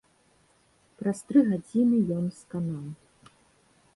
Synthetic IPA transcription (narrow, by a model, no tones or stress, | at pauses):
pɾɐst̪ɾɨɣad͡zʲinɨjɔnskanaw